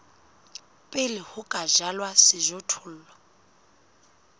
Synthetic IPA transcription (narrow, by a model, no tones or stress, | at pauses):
pʼɪlɪhʊkʼaʒalwasɪʒɔtʰʊl̩ːlwa